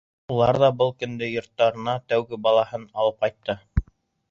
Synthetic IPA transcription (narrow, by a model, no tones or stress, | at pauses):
ulˠɑɾðɑbɤlˠkɵ̆nd̪ɘjŏɾt̪ːɑɾɤ̆nɑt̪æwɡɘbɑlˠɑhɤnɑlˠɤp̚qɑjt̪ːɤ